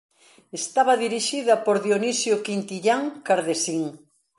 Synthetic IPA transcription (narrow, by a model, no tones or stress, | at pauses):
est̪aβɐðiɾiʃiðɐpoɾðjonisjokint̪iʎaŋkaɾðesiŋ